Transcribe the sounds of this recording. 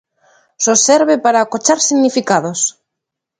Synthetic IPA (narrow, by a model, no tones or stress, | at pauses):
soseɾβepaɾakot͡ʃaɾsiɣnifikaðos